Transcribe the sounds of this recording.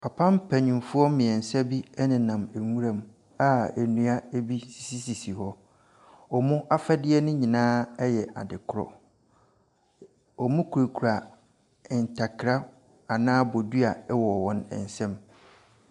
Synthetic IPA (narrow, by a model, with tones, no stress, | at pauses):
pʰa˨pʰã˦m˦pʰæ˨ɲũ˨m˨fʊ˦ɔ˦mɪ̃˨ɛ˨n˨sɛ˦bi˦ɛ˦nɪ̃˨nã˨mæ˨ŋũ˦ɾã˨m | a˦æ˨nũ˨a˦æ˦bi˦si̥˨si˦si˨si˨hɔ˦ | ɔ˨mʊ̃˦ʔa˦fɛ˦dɪ˦ɛ˦nʊ̃˦ɲĩ˨nãː˦ɛ˦jɛ˨ʔa̰˨dɪ˨kʰʊ˦ɾɔ̰˨ | ɔ˨mʊ̃˦kʰu˨ɾe˨kʰu˨ɾa˨ | n̩˨tʰa˨kʰɪ˨ɾa˦ | a˨nãː˦bɔ˨du˦a˨ɛ˦wɔ˨wɔ̃˦nɛ̰˨n˨sɛ̃˦m